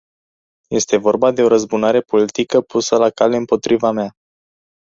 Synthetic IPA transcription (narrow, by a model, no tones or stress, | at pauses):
je̞st̪e̞vo̞rbad̪e̞o̞ɾəzbunaɾe̞po̞lit̪ikəpusəlakale̞ɨmpo̞t̪ɾivamea